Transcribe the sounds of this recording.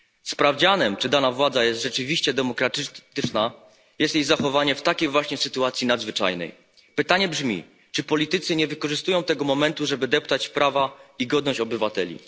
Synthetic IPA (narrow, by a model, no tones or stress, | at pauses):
spɾavd͡ʑanɛmt͡ʂɘd̪anavwad̪zajɛst̪ʐɛt͡ʂɘvʲiɕt͡ɕɛd̪ɛmɔkɾat̪ɘt̪ɘt͡ʂna | jɛst̪jiɣzaxɔvaɲɛft̪akʲejvwaɕɲɛsɘt̪uat̪sʲjinad̪zvɘt͡ʂa̰jnɛ̰j | pɘt̪aɲɛbʐmʲḭ | t͡ʂɘpɔlʲit̪ɘt̪sɘɲɛvɘkɔʐɘst̪ujɔ̃w̃t̪ɛɡɔmɔmɛnt̪uʐɛbɘd̪ɛpt̪at͡ɕpɾavaiɡɔd̪nɔɕt͡ɕɔbɘvat̪ɛlʲḭ